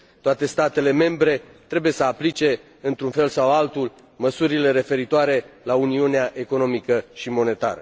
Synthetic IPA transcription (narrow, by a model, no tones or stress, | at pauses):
t̪oat̪e̞st̪at̪e̞le̞me̞mbɾe̞ | t̪ɾe̞buje̞səaplit͡ʃe̞ | ɨnt̪ɾunfe̞lsawalt̪ul | məsuɾile̞ɾe̞fe̞ɾit̪oaɾe̞launiuneaʔe̞ko̞no̞mikəʃimo̞ne̞t̪a̰ɾə̰